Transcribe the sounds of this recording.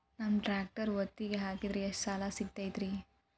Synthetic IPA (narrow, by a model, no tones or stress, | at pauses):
nɐmʈɾaːk̚ʈɐɾʋɐt̪ːiɡeɦaːkid̪ɾiɐʂsaːlasiɡ̚t̪aːjd̪ɾi